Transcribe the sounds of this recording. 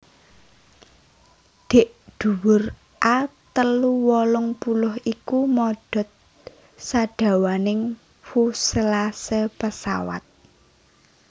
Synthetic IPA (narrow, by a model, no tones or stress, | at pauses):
d̪̥e̤ʔɖ̪̥ṳwʊr | ʔat̪əluwɔlʊŋpulʊhikumɔɖ̥ɔ̤t̪̚ | saɖ̥ä̤wanɪŋ | fusəlasəpəsa̰wa̰t̪̚